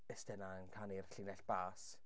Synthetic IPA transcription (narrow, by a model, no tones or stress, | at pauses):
əstɛnaənkʰanirɬiːnɛɬb̥aːs